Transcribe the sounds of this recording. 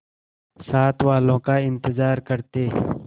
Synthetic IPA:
saːt̪waːlõkaɪ̃nt̪ɪzaːɾkɐɾt̪eː

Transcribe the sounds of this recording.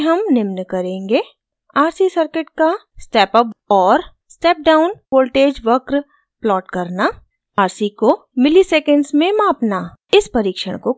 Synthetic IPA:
ɦɐmnɪmnkɐɾẽːŋɡeː | aːɾsisɐɾkɪʈka | sʈɛːpəpɔːɾ | sʈɛːp̚ɖaːʊnpoːlʈeːd͡ʒʋɐkɾ | plɔːʈkɐɾna | aːɾsiko | mɪliseːkə̃ɳɖsmẽmaːpnaɪspɐɾiːkʃə̰ɽ̃ko

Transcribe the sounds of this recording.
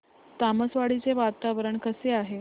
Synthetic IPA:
t̪aməsʋaɽit͡seʋat̪aʋəɾəɳkəseaɦe

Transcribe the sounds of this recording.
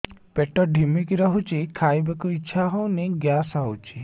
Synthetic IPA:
peʈɔɖʱimikiɾɔɦut͡ʃikʰaːjbekuiːʃʰaɦɔwniɡjaːsawt͡ʃʰi

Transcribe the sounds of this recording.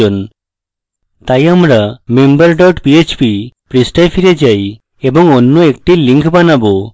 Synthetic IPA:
ɔn | t̪ajamɾamembəɾɖɔʈpiet͡ʃpipɾisʈajpʰiɾed͡ʒaj | ebɔŋɔnːoekʈiliŋkʰbanabɔ

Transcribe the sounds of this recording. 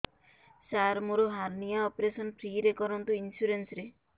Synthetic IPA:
saɾmoɾoɦaɾnijaɔpɾesɔnpʰɾiːɾekɔɾɔnt̪uinsuɾensɾe

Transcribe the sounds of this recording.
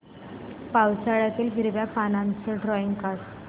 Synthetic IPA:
pawt͡saɭjat̪iːlɦiɾʋjapanãnt͡səɖɾɔiŋɡkas

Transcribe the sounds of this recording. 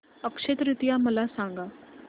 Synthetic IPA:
əkʃet̪ɾɪt̪ijaməlasãːŋɡaː

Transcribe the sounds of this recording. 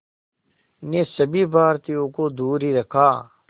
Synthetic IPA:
nesɐbʱibaːɾt̪ijõkod̪uːɾɦiɾɐkʰaː

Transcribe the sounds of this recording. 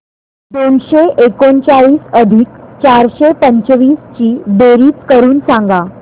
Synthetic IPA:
d̪onɕeʔekont͡saɭiːsəd̪ʱiːkt͡ɕaɾɕepəɲt͡ɕʋiːst͡ɕiːd̪eɾiːt̪kəɾuːnsãŋɡa

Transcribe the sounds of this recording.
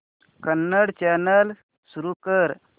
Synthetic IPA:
kənːəɽt͡ɕanəl | suɾukəɾ

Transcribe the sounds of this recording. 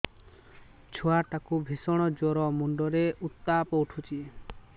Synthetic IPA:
t͡ʃʰoaʈakubʱesɔɽ̃ɔd͡ʒoɾɔmuɳɖɔɾeʔut̪ːapɔuʈʰut͡ʃʰi

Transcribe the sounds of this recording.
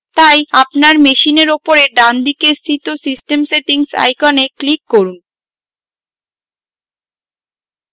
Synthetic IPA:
t̪ajapnaɾmeʃineɾopoɾeɖand̪ikest̪ʰit̪osisʈemseʈiŋsa̰jkɔneklikːoɾun

